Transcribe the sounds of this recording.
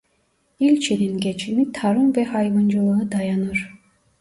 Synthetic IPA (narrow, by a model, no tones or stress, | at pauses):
ilʲt͡ʃʰed̪inɡʲet͡ʃʰimit̪ʰɑɾɯmvɛhɑjβɯnd͡ʒɯlˠɯɯd̪ɑjɑnɯɾ